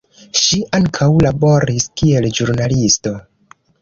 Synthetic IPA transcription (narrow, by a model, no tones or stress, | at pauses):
ʃiʔaŋkʰawlabo̞ɾiskie̞ld͡ʒuɾnalisto̞